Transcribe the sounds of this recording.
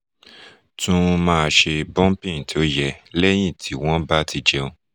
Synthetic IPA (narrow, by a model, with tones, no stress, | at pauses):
tũ˦˧mãː˦˧ʃe˧bɔ̃˦pĩ˦˨n˨ti˨o˦jɛ˧lɛ˦j̃ĩ˦˨tʰi˨˦w̃ɔ̃˦ba˦tʰi˧d͡ʒɛ˧o˧